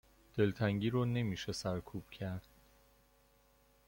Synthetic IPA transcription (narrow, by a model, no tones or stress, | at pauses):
d̪̥e̞lt̪ʰæŋɟiːɾɔːne̞miːʃesæɾkʰuːb̥cʰæɾd̪̥̚